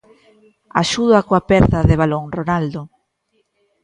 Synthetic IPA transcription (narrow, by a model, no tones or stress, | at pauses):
a̰ʃuðoakoapɛɾðaðɪβ̞aloŋronald̪o